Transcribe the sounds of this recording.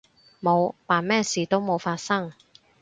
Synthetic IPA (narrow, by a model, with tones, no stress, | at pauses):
mo˨˧wpaː˨˩nmɛː˥siː˨˩t̪o˥wmo˨˧wfaː˧t̚sɐ˥ŋ